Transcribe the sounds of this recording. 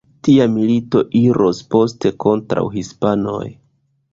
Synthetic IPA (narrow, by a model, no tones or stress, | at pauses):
tiamilito̞ʔiɾʔospo̞ste̞ko̞ntɾa̰wɦispano̞̰j